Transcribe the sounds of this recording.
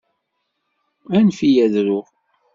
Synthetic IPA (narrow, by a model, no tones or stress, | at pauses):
ænfijæðɾʊʁ